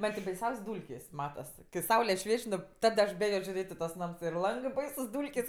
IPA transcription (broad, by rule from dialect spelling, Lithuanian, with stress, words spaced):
ˈmɐn tʲɪ bɐɪˈsʲɛʊsʲ ˈduːlʲkʲeːsʲ ˈmɑːtɐs kʲɪ ˈsɐʊlʲɛ ˈʃʲʋʲiɛt͡ʃʲ ˈnʊ ˈtɐt ɐʃ ˈbʲeːjoː ʒʲʊˈrʲeːtʲ ɪ tuɔs ˈnɐms ɪr ˈlˠɐŋɡɜ ˈbɐɪsʊs ˈduːlʲkʲeːsʲ